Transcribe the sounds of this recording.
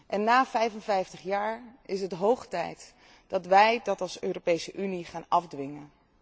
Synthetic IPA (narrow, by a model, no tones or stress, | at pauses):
ʔɛnːaːvɛjvənvɛjftəχjaːɹɪs̬ɦətɦowχtɛ̰jt | d̥ɑtʋɛjdɑtɑlˠsøːropejsəʔyniχaːnɑfdʋɪŋən